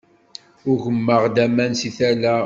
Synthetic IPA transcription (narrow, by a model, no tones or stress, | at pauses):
ʊɾʝəmːəʁd̪æmænsiθælæ